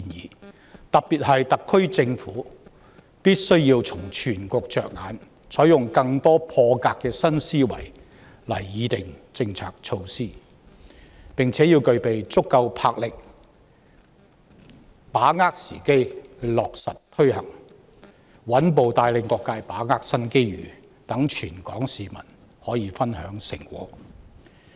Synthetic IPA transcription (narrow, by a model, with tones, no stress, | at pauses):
njiː˨ | t̪ɐ˨˩k̚piː˨t̚hɐ˨jt̪ɐ˨kʰːɵ˥ɥt͡sɪ˧ŋfuː˨˥ | piː˥t̚sɵ˥ɥjiː˧wt͡sʰʊ˨˩ŋt͡ʃʰyː˨˩nkʷɔː˧k̚t͡ʃœː˨k̚ŋaː˨˥n | sʰɔː˨˥jʊ˨ŋkɐ˧ŋt̪ɔː˥pʰɔː˧kaː˧kːɛː˧sɐ˥nsiː˥wɐ̰˨˩j | lɐ˨˩jːiː˨˧t̪ɪ˨ŋt͡sɪ˧ŋt͡sʰa̰ː˨k̚t͡ʃʰo˧wsiː˥˩ | pɪ˨ŋt͡sʰɛː˨˥jiː˧wkɵ˧ɥpe˨jt͡sʊ˥kːɐ˧wpʰaː˧k̚lɪ˨k̚ | paː˨˥ŋaː˥k̚sḭː˨˩ke˥jlɔː˨k̚sɐ˨t̚t̪ʰɵ˥ɥhɐ̰˨˩ŋ | wɐ˨˥npo˨wt̪aː˧jlɪ˨˧ŋkɔː˧kːaː˧jpaː˨˥ŋaː˥k̚sɐ˥nke˥jɥy̰ː˨˩ | t̪ɐ˨˥ŋt͡ʃʰyː˨˩nkɔː˨˥ŋsiː˨mɐ̰˨˩n | hɔː˨˥jiː˨˧fɐ˥nhœː˨˥ŋsɪ̰˨˩ŋkṵː˨˥k̚